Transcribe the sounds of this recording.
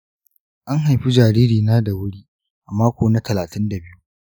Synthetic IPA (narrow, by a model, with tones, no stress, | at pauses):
ʔa˦ŋɦa˨jɸi˦d͡ʒaː˨ɾiː˦ɾiː˨naː˦da˨wʊ˦ɽiː˦ | ʔa˨maː˦kʷoː˨na˦tʰɐ˨laː˨tɪ˦nda˨bɪ˦ju˦